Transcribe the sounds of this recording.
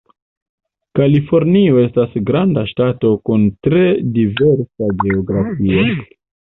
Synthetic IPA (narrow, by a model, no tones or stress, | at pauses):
kalifo̞ɾnio̞e̞stasɡɾandaʃtatokuntɾe̞dive̞ɾsaɡe̞oɡɾafio